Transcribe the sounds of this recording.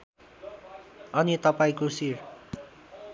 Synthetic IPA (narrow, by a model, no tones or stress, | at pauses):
ʌnit̪ʌpaĩkosir